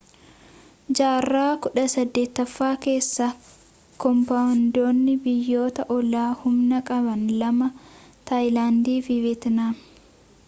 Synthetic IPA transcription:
d͡ʒaːrːaːkʊᶑɐsɐd̪ːe̞ːt̪ːɐfːaːke̞ːsːɐ | kɔmpand̪oːnːɪbɪjːoːt̪ɐʔɔlaːhʊmnɐkʼɐbɐnlɐmɐt̪ɐjlaːnd̪iːfɪvɛt̪naː

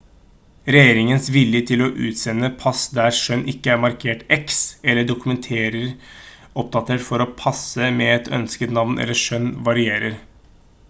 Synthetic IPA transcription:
ɾɛjeːɾɪŋənsʋɪljət̪ʰɪlɔʔʉ̰ːt̪sɛnːəpʰɑsd̪æɾʂœnːʔɪkːəæɾmɑɾkʰeːʈɛksɛlːəɖʊkʉmɛnt̪ʰeːɾəɾ | ɔp̚t̪ɑt̪ːəɾfɔɾɔpʰɑsəmɛɛt̪ʰœ̰nskət̪nɑʋnʔɛ̰lːəʂœnʋɑɾɪeːɾəɾ

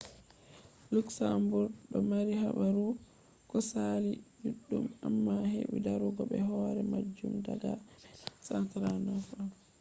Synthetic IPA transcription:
luksambuɾɗɔmaɾiɦaɓaɾu | kɔsalid͡ʒuɗːumamːahḛwidaɾuɡɔɓɛɦɔɾɛmad͡ʒːumdaɡasantaɾanafa

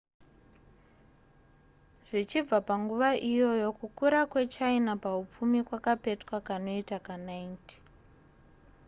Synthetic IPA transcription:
ʐ̥it͡ʃib͡vapaŋɡuʋaʔijo̞jo̞kukuɾakwe̞t͡ʃainapaup͡fumikwakape̞tkwakano̞itakanainti̥

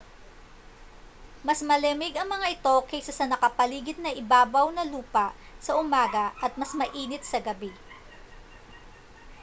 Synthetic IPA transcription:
mɐsmɐlɛmɪɡɐŋmɐŋaʔɪt̪o̞kɐjsasɐnɐkɐpɐliːɡɪt̪̚nɐʔɪbaːbɐwnɐluːpɐʔ | sɐʔʊmaːɡɐʔɐt̪̚mɐsmɐʔiːnɪt̪̚sɐɡɐbi

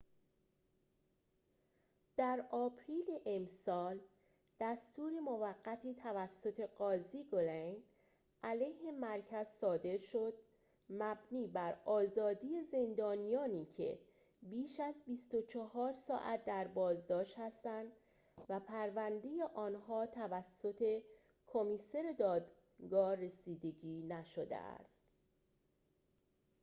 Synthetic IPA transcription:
d̪̥æɾɒːpʰɾiːleʔemsɒːl | d̪̥æst̪uːɾemovæɡːæt̪ʰit̪ʰævæsːo̞t̪ʰe̞ɢɒːziɡolen | ʔælejhe̞mæɾcʰæz̥sɒːd̪e̞ɾʃo̞d̪̥̚ | mæbniːbæɾɒːzɒːd̪iːjeze̞nd̪ɒːnijɒːniːcʰe̞̰ | biːʃæzbist̪o̞t͡ʃʰɒhɒːɾsɒ̰ːʔæ̰t̪̚d̪æɾbɒːzd̪ɒːʃt̪hæst̪ænd̪ | væpʰæɾvænd̪e̞jeʔɒːnɦɒːt̪ʰævæsːo̞t̪ʰe̞ | kʰomiːse̞ɾed̪ɒːd̪ | ɡɒːre̞siːd̪e̞ɟiːnæʃod̪ḛæ̰st̪

